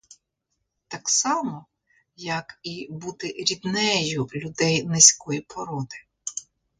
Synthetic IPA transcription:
t̪ɑksɑmɔ | jɐkibut̪ɪɾʲid̪nɛjʊlʲʊd̪ɛjnesʲkɔjipʰɔɾɔd̪ɪ̥

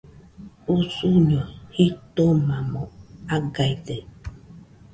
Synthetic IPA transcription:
usuɲɔhitomamɔaɡajde

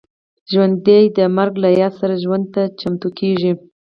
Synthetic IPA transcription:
ʒwand̪ːajd̪əmaɾɡlajɑsaɾaʒwand̪̚t̪at͡ʃamt̪ukʰeʐi

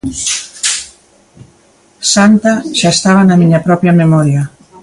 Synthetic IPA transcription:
sant̪aʒaest̪aβ̞anamiɲapɾɔpjamemɔɾja

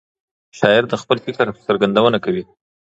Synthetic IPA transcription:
ʃɑɪɾd̪əxpəlfɪkaɾsəɾɡand̪awənakawi

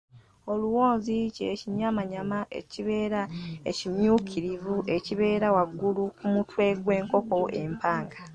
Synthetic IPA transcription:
o̞luwo̞ːnziceciɲamaɲamaʔḛciβe̞ːɾaḛcimjuːkʰiɾivuʔe̞ciβe̞ːɾawaɡːulukumutwe̞ːɡwe̞ːŋko̞ko̞ʔe̞mpaːŋɡḁ

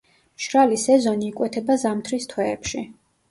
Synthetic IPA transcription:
ʃɾalisɛzɔniːkʼwɛt̪ʰɛbazamt̪ʰɾist̪ʰwɛːpʃi

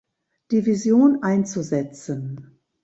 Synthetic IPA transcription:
d̥iːvizjoːnʔaɪnt͡suzɛt͡sən

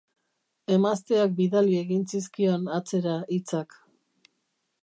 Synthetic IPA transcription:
e̞mast̪e̞ak̚biðalie̞ɣinsiskio̞nat͡se̞ɾaʔit͡sak

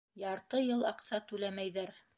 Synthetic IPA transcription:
jɑɾt̪ɤjɤlˠɑqsɑt̪ʉlæmæjðæɾ

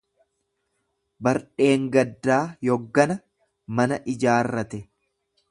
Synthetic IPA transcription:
bɐɾᶑe̞ːŋɡɐd̪ːaːjɔɡːɐnɐ | mɐnɐʔɪd͡ʒaːrːɐt̪ɛ

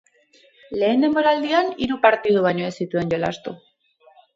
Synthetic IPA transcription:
le̞ːnd̪e̞mbo̞ɾald̪ianiɾupaɾt̪ið̞uβ̞ajɲo̞e̞sit̪ue̞nɟo̞la̰st̪u

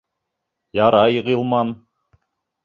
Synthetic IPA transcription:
jɑɾɑjʁilˠmɑn

